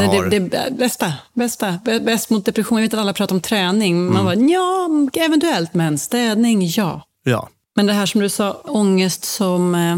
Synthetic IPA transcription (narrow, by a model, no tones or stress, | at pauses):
ɛd̪ɛd̪ɛbɛst̪abɛst̪abɛbɛst̪mʊt̪̚d̪ɛpɾɛxɧuːnvɪt̪alːapʰɾɑːt̪ɾɔmt̪ʰɾɛːnɪŋmanbajɑːɛvɛnt̪ɵɛlt̪mɛnst̪ɛːd̪nɪŋjɑ̰ː | mɛnd̪ɛɦæːʂɔmd̪ɵsɑːɔŋːəst̪sɔm